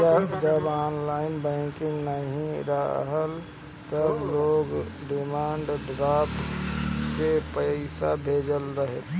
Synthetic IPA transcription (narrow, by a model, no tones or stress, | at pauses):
d͡ʒəbaːnlaːɪnbɛ̃ːkɪŋɡnəɦĩɾə̰ɦəl | t̪əbloːɡɖɪmaːɳɖɖɾaːp | sepəɪsabʱeːd͡ʒəlɾəɦe